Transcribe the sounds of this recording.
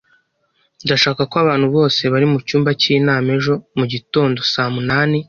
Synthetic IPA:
ndaʃaːkakoaβaːn̥huβo̞ːse̞βaɾimucuːmbaciːnaːme̞ʒo̞muɟito̞ːndo̞saːmunaːni

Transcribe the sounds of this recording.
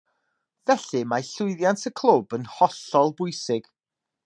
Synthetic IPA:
vɛɬɨmaɬʊɨðjantʰəkʰlˠobənhɔɬɔlˠbʊɨsɪɡ̥

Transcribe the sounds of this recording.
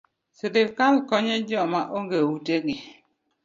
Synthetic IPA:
sɪdɪfkalkɔɲɛd͡ʒɔmaʔoŋɡewuteɡɪ

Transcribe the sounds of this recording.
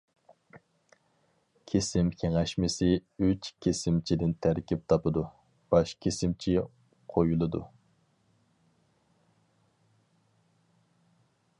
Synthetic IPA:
kʲʰesɪmkʲʰeŋɛʃmɪsɪyt͡ʃkʲʰesɪmt͡ʃʰid̪ɪnt̪ʰæɾkʲip̚t̪ʰɑpɨd̪u | b̥ɑʃkʲʰesɪmt͡ʃʰi | qʰojulˠɨd̪u

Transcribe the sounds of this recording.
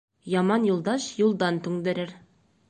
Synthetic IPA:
jɑmɑnjulˠd̪ɑʃjulˠd̪ɑnt̪ʉŋd̪ɘ̆ɾɘɾ

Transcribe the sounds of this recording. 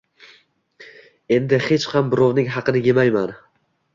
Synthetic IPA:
e̞nd̪ɪhe̞t͡ʃhɑmbɪɾɒwnɪŋɦɑqʰɨnɪjemajman

